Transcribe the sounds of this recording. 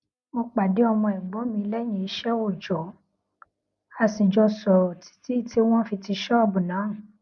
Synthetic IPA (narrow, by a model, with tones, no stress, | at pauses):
mo˧k͡pa˨de˨˦ɔ˧mɔ̃˧i˨ɡ͡bɔ˨˦mĩ˧lɛ˦j̃ĩ˦˨i˨˧˦ʃɛ˦wo˦˨d͡ʒɔ˨ | a˧sĩ˨d͡ʒɔ˧sɔ˨o˨ti̥˨˦ti˦˨tʰi˦w̃ɔ̃˦fi˧ti˧ʃɔ˦˨bũ˨nã˨˦˨